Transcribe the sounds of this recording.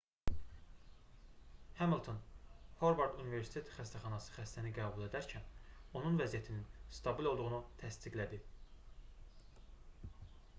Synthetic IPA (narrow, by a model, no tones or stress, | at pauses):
hæmilˠt̪ʰonho̞ɾvɑɾd̪unive̞ɾsi̥t̪ʰet̪ʰxæst̪ʰæχɑnɑsɯ̥xæst̪æniɡæːbulˠe̞d̪æɾcʰæno̞nunvæzijæt̪ʰininst̪ʰɑbilˠo̞lˠd̪uʁunut̪ʰæst̪iɡlæd̪i